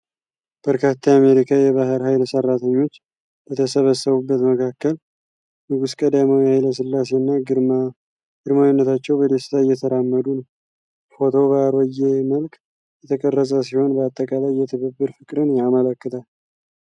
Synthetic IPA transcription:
b̥əɾkʰat̪ʰːajame̞ɾikʰajɛβaɦɨɾɦajlsərːat̪ʰəɲːo̞t͡ʃː | bət̪ʰəsəβəsːəβubːət̪məkʰakːəl | nɨɡuskʼəd̪amawihajləs̬ɨlːase̞nːa | ɡɨd̪mawinːət̪ʰat͡ʃːɛwbəd̪esɨ̥t̪ʰajːɛt̪ʰəɾamːəd̪unəw | fo̞t̪ʰo̞βaɾəjːeməlk | jɛt̪ʰəkʼərːəsʼəs̬iho̞nbəat̪ʼːəkʼalajːɛt̪ʰɨβɨbːɨɾfɨkʼɾɨnjamələkːɨt̪ʰal

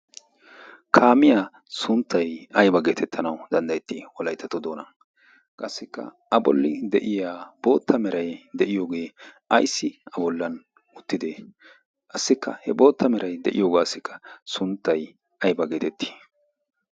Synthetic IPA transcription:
kʰaːmɪjaː | sʊnt̪ːɐjɐjbɐɡe̞ːt̪ʰɛt̪ʰːɐnɐwd̪ɐnd̪ɐjɛt̪ːɪwɔlɐjt̪ːɐt̪ɔd̪o̞ːnɐ | kʼɐsːɪkːɐ̰ | ɐbɔ̰lːɪd̪ɛʔɪjaːb̥o̞ːt̪ʰːɐmɛɾɐjd̪ɛʔɪjo̞ːɡe̞ːʔɐjsːɪɐbɔlːɐn | ʊt̪ːɪd̪eː | kʼɐsːɪkːɐ̰hɛbo̞ːt̪ːɐmɛɾɐjd̪ɛʔɪjo̞ːɡaːsːɪkʰːɐ̥sʊnt̪ːɐj | ʔɐjbɐɡe̞ːt̪ɛt̪ːi̥ː

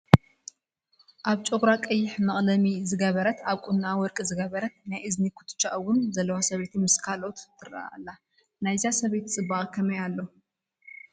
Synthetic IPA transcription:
ʔaβt͡ʃʼoɡɾakʼɐjːɪħmɐχʼlɐmizɨɡɐβɐɾɐt̪aβkʼunːawɔɾkʼizɨɡɐβɐɾɐt̪̚najʔɨznikʰu̥t̪ʰɨ̥t͡ʃːaʔwʊnzɐlːɐwasɐβet̪ʰimɨskʰalot̪ːʰɨɾa̰a̰lːa | najzasɐβet̪t͡sʼɨbaɣʼkʰɐmɐjalːo

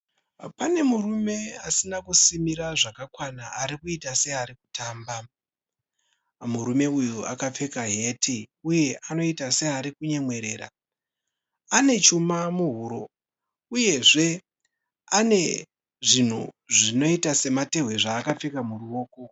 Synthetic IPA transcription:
pane̞murume̞asinakusimiɾaʐakakwanaaɾikuitase̞aɾiku̥tʰaːmba | muɾume̞ujua̰kap͡fe̞kaɦe̞tʰiuje̞ʔano̞itase̞aɾikuɲe̞mwe̞ɾe̞ːra̰ | ane̞t͡ʃumamuɦuɾo̞ | uje̞ʐe̞ | ane̞ | ʐin̤u | ʐino̞itase̞mate̞ɦweʐaːkap͡fe̞kamuruo̞ːko̞

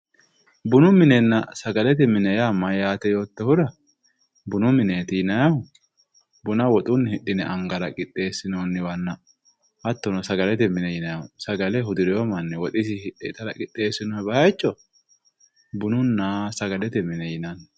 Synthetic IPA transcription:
bʊnʊmɪnɛnːɐsɐɡɐlɛt̪ɛmɪnɛjamːɐjaːt̪ɛjo̞ːt̪ːɛhʊd̪ɐ | bʊnʊmɪneːt̪ɪjɪnɐjɐhʊ | bʊnɐwɔt̪ʼʊnːhɪɗːɪnɛʔɐŋɡɐɾɐkʼɪt̪ʼːe̞ːsːɪnoːnːɪwɐnːɐ | ʔɐt̪ːɔnɔsɐɡɐlɛt̪ɛmɪnɛjɪnɐjɐʊsɐɡɐlɛɦʊd̪ɪɾɛjɔmɐnːɪwɔt̪ʼɪsɪɪᶑet̪ɐɾɐkʼɪt̪ʼːe̞ːsɪnɔɛbɐhɐjt͡ʃːɔ | bʊnʊnːasɐɡɐlɛt̪ɛmɪnɛjɪnɐn

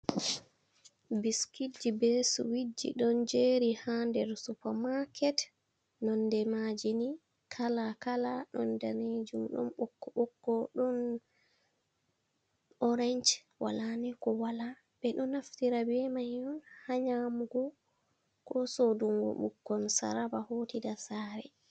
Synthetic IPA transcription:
biskid͡ʒːibɛsṵwid͡ʒːḭɗɔnd͡ʒeːɾihandɛɾsupamaɾkʰɛt | nɔndɛmad͡ʒini | kʰalakalaɗɔndaned͡ʒumɗɔ̰nɓɔkːɔɓɔkːɔɗɔn | ɔɾɛɲt͡ʃ | wa̰lanikɔwala | bɛɗɔnaftiɾabɛmajːɔnhaɲamuɡɔ | kɔsoduŋɡɔ̰ɓukːɔnsa̰ɾabahoːtidasaːɾɛ

